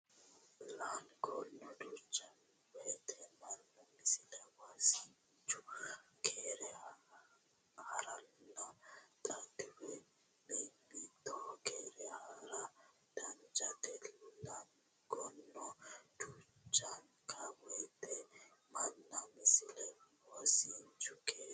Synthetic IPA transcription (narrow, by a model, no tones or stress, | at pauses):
lanɡɔnːɔd̪ut͡ʃːɐn | wɔjt̪ʰɛmɐnːɔmɪsɪlɛwasin | t͡ʃːʊkʰeːɾɛ | hɐɾɐnːɐt̪ʼɐt̪ːɪwɛ | bɛjbiːt̪ːɔkeːɾɛhaɾɐ | d̪̥ɐnd͡ʒɐt̪ɛlnɐn | ɡɔnːɔd̪̥ʊt͡ʃʼːɐŋkʰɐwɔjt̪ʰʼɛmɐnːɐmɪsɪlɛ | wasint͡ʃʊkʰeː